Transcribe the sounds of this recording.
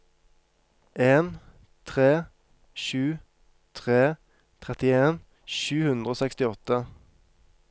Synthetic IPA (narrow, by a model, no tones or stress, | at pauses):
ʔeːn | t̪ʰʁeː | ʃʉː | t̪ʰʁeː | t̪ʰʁɛt̪ɪeːn | ʃʉːhʉnd̪ʁəoːsɛkst̪ɪɔt̪ə